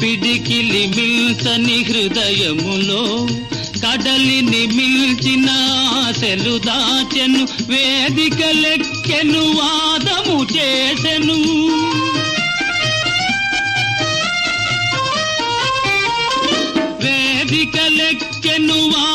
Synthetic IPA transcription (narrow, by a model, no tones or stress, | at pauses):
piɖikilimilsɐniɦɾud̪ɐjɐmuloː | kɐɖɐlinimilt͡ʃinɐaselud̪at͡ʃenuʋeːd̪ikɐlekkːenuʋaːd̪ɐmut͡ʃeːsenu | ʋeːd̪ikɐlekːenuʋa